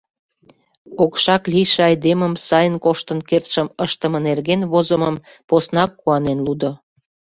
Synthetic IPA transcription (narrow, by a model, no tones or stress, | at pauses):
okʃɑklijʃeɑjd̪eməmsɑjənkoʃt̪ənkert̪ʃəməʃt̪əmə̆nerɣenβozəməm | posnɑkːuɑnenlud̪o